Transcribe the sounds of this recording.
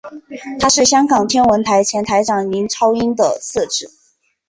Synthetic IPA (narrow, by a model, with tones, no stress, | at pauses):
t̪ʰa˥ʂɻ̩˥˩ɕjɑ˥ŋkɑ˨˩ŋt̪ʰjɛ˥nwə˧˥nt̪ʰa˧˥ɪt͡ɕʰjɛ˧˥nt̪ʰa˧˥ɪʈ͡ʂɑ˨˩ŋli˧˥nʈ͡ʂʰɑ˥ʊi˥nd̪ə̰˨sɤ˥˧ʈ͡ʂɻ̩˥˩˦